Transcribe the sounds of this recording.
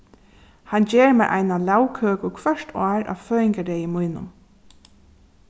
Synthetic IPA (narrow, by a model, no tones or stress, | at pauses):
hand͡ʒeːɹmɛːʔa̰jnalawkʰøːkʊkʰʋœʂtʰaːɹʔa̰ːʋføːɪŋkaɾejəmujnʊ̰m